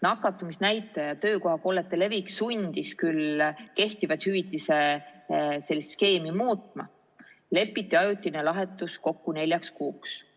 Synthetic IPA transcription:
nɑkːˑɑt̪ːˑumisnæjt̪ːˑejɑt̪ø̞ːko̞hɑpo̞ːlet̪ːˑele̞viksunʲd̪̥iskylke̞ht̪ivɑt̪hyvit̪ːˑise̞ | se̞lːist̪ske̞ːmimuːt̪ˑmɑ̰ | le̞pːˑit̪ːˑiɑjut̪ʲːˑinelɑɦe̞t̪ːˑusko̞kːune̞lʲjɑkskuːks

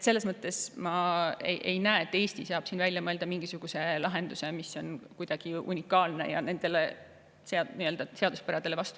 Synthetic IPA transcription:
et̪se̞lːesmɤt̪ːˑe̞smɑḛʔe̞jnæeet̪ːˑe̞ːsʲt̪isɑːb̥siːnvælʲjɑmɤe̞ld̪̥ɑmiŋɡ̥isuɡ̥use̞lɑɦe̞nd̪̥use̞misːo̞nkujd̪̥ɑɡ̥iṵnʲikːˑɑːlne̞̰jɑ̰ne̞nd̪̥e̞le | seɑniːøld̪̥ɑse̞ɑd̪uspæɾɑd̪̥e̞le̞vɑst̪u

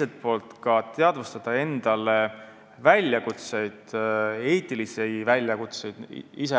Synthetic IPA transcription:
set̪̚po̞ːlt̪kɑt̪e̞ɑd̪̥vust̪ɑd̪̥ɑe̞nd̪̥ɑle | vælʲjɑkut̪se̞jd̪̥e̞ːt̪ˑilisejvælʲjɑkut̪se̞jd̪̥ise

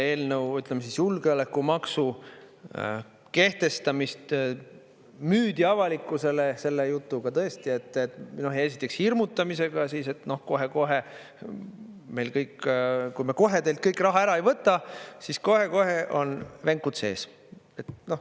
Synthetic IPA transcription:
e̞ːlnəwyt̪ːˑlemːesisjulɡeolekːˑumɑksu | ke̞ht̪e̞st̪ɑmist̪ | myːd̪̥iɑvɑlikːˑuse̞lese̞lːejut̪ːˑuɡɑt̪ɤe̞st̪ie̞t̪ːˑet̪no̞ɦe̞s̬ʲit̪ːˑekshirmut̪ːˑɑmise̞ɡ̥ɑsiːse̞t̪no̞hko̞ɦe̞ko̞ɦe | me̞jlkɤjkkujmeko̞ɦe̞t̪elt̪̚kɤjkːˑrɑɦɑeɾɑe̞jvɤt̪ˑːɑsisko̞ɦe̞ko̞ɦe̞ʔo̞nveŋkut̪se̞̰ːs | e̞t̪no̞h

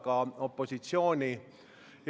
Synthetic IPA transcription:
kɑːopːosit̪sjoːni | j

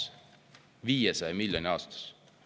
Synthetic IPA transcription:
ʋiːɛsɑjmiljonʲiɑːst̪ɑ̥s

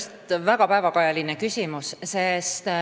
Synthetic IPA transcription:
st̪væɡɑpæevɑkɑjɑlinekysʲimussest̪

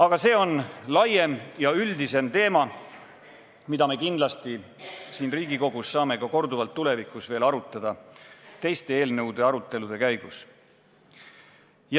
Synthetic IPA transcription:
ɑɡ̥ɑse̞ːo̞nlɑje̞mjɑyld̪ise̞mt̪e̞ːmɑ | mid̪̥ɑme̞ːkind̪lɑst̪isiːnriːɡ̥iko̞ɡ̥usːɑːme̞kɑko̞rd̪uvɑlt̪ːule̞vikːˑusve̞ːlɑɾut̪ːˑɑd̪̥ɑt̪e̞jst̪e̞eːlnɤwd̪̥e̞ɑɾut̪ːˑe̞lud̪e̞kæjɡ̥us | j

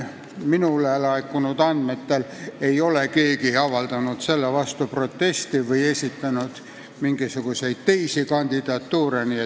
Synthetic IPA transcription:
minulelɑekːunud̪ɑnd̪̥met̪ːele̞jo̞leke̞ːɡiɑvɑld̪ɑnut̪se̞lːevɑst̪upro̞t̪ːe̞st̪ivɯje̞sʲit̪ːænud̪̥ | miŋɡisuɡ̥use̞jd̪̥̚t̪ejsikɑnʲd̪̥id̪̥ɑt̪ːuːɾenie

